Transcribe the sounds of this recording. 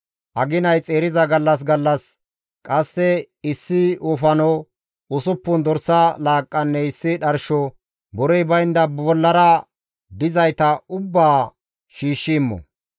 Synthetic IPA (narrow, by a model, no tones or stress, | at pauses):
ʔɐɡɪnɐjt͡sʼe̞ːɾɪzɐɡɐlːɐs̬ɡɐlːɐs | kʼɐsːɛ | ɪsːɪʊfɐnɔ | ʊsʊpːʊnd̪ɔɾsɐlaːkʼːɐnːɛɪsːɪᶑɐɾʃɔ | bɔɾɛjbɐjnd̪ɐbɔlːɐɾɐ | d̪ɪzɐjt̪ɐʊbːaː | ʃiːʃːɪmːɔ̰